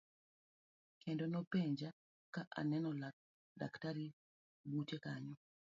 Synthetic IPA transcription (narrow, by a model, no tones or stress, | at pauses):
kʰɛndɔnɔpɛɲd͡ʒa | kaʔa̰nɛnɔla | da̰ktaɾi | butekaɲɔ